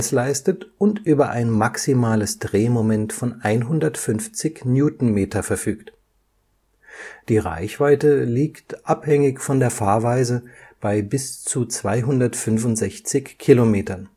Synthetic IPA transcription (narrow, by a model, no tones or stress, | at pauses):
slaɪstətʊntʔyːbɐʔaɪnmaksimaːləsd̥ʁeːmomɛntfɔnʔaɪnɦʊndɐtfʏnft͡sɪçnjuːtn̩meːtʰɐfɛɐfyːkt | d̥iːʁa̰ɪçv̥aɪtəliːktʔaphɛŋɪçfɔndeːɐfaːɐvaɪzəb̥aɪbɪst͡sut͡sv̥aɪɦʊndɐtfʏnvʊntz̥ɛçt͡sɪçkʰːilomeːtɐn